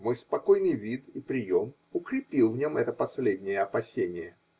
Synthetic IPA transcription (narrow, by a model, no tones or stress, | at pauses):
mo̞jspɐko̞jnɨjvʲit̪ipɾʲɪjo̞m | ʊkɾʲɪpʲilˠvnʲo̞mɛt̪əpɐsʲlʲedʲnʲɪjəɐpɐsʲenʲɪjə